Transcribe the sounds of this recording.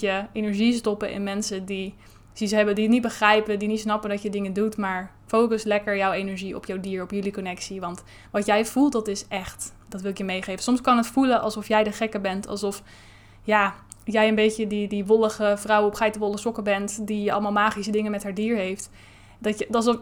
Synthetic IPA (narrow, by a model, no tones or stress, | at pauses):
jəejnəɹʒistɔpəʔɪ̰nmɛnsədi | z̥isɦɛbədiətnit̚bəχrɛjpədinitsnɑpədɑtjədɪŋəndutmaːɹ | fowkəslɛkəɹjɔwejnəɹʒiɔ̰pjɔwdiːɹɔpjɵlikɔnɛksiʋɑnt | ʋɑtjɛjv̥ulˠt̚dɑtɪsɛχt | d̥ɑtʋɪlˠɪkjəmejχejfəsɔmskɑnɦətfulənʔɑ̰lˠsɔfjɛjdəχɛkəbɛntɑ̰lˠsɔf | jaː | jɛjənbejtədidiʋɔləχəfrɑwɔpχɛjtəʋɔlˠəsɔkəbɛntdijəɑ̰lˠəmaːlˠmaːχisədɪŋənmɛtɦaːɹdiːɹɦejft | dɑəɑs